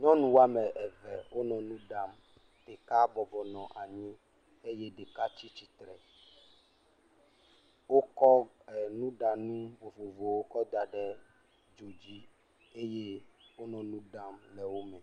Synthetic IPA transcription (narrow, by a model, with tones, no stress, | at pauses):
ɲɔ̃˦nũ˨wa˦me˨ʔɛ˨vɛ˨wo˦nɔ̃˨nũ˦ɖa˨m | pe˨ka˦bɔ˨bɔ˨nɔ̃˨ʔa˨ɲĩ˦ | e˦je˦ɖe˨ka˦t͡ɕi˦t͡ɕi˨t̪ɾɛ˨ | wo˦kɔ˦ɛ˨nũ˦ɖa˨nũ˦vo˨vo˨vo˨wo˦kɔ˦d̪a˨ɖɛ˦ | d͡ʒo˨d͡ʑi˦ | e˦je˦wo˦nɔ̃˨nũ˦ɖa˦mlɛ˨wo˦mɛ˨